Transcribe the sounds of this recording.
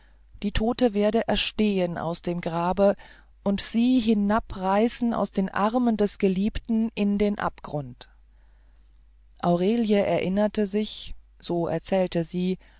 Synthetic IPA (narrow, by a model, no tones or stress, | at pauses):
d̥iːtʰoːtəveːɐdəʔɛɐʃteːəna̰ʊsd̥eːmɡʁaːbə | ʔʊntz̥iːɦɪnapʁaɪsn̩ʔa̰ʊsd̥eːnʔa̰ʁməndɛsɡ̥əliːptn̩ʔɪndeːnʔa̰pɡ̥ʁʊnt | ʔaʊʁeːljəʔɛ̰ɐʔɪnɐtəzɪçz̥oːʔɛ̰ɐt͡sɛːltəziː